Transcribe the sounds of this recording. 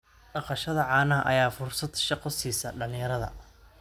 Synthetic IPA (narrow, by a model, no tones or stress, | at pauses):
ɖɑqɑʃɐðɐʕɑːnɐɦɐʔɐ̰jaːfʊrsɐd̪ʃɑqɔsiːsɐɖɐlɪ̃jɐɾɐðɐ̰